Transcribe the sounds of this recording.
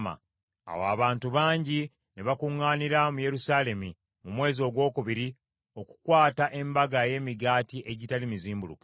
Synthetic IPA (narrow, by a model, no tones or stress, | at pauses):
ma̰ | a̰wa̰ːβaːntuβaːɲɟi | neβakuŋːaːniɾamuje̞ɾusaːle̞mu | mumwe̞ːzo̞ːɡwo̞ːkuβiɾi | o̞ku̥kwaːtaʔe̞mbaɡaje̞ːmiɡaːtiʔe̞ɟitalimiziːmbulṵk